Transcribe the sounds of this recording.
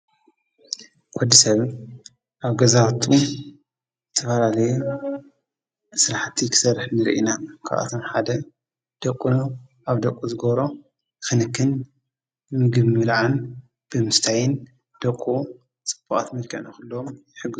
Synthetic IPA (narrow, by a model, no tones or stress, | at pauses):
kʷɔd̪isɐβ | ʔaβɡɐzawt̪ʰu | zɨt̪ʰːɐfɐlalɐju | sɾaħt̪ʰːikʰɨ̥sɐrħnɨɾḭʔḭnakʰa̰βʔa̰t̪ʰo̞mħad̪ɐ | d̪̥ɐkʼuno | ʔaβd̪ɐkʼːuzɨɡɐβɾo̞ | xɨnɨkʰːɨn | bɨmɨɡɨβimɨlʕan | b̥ɨmɨst̪ʰajɪn | d̪̥ɐkʼːu | t͡sʼɨ̥b̥ʼɐχʼa̰t̪mɨlkʰɐ̰nɐxɨlːomjɪħɨɡːɨz